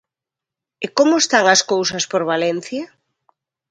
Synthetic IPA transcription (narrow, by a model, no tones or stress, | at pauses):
ekomoest̪aŋɐskowsɐspoɾβalen̟θja